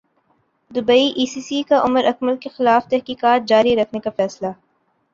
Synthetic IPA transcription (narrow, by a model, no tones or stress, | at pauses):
d̪ʊbəiʔiːsiːsikaʔʊməɾʔɐkməlkexɪlaːft̪ɛɦkiːkaːt̪̚d͡ʒaːɾiɾɐkʰnekafɛːsla